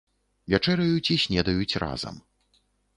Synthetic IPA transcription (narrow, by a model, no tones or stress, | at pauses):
vʲat͡ʂɛɾɐjut͡sʲisʲnʲɛd̪ɐjut͡sʲra̰zɐ̰m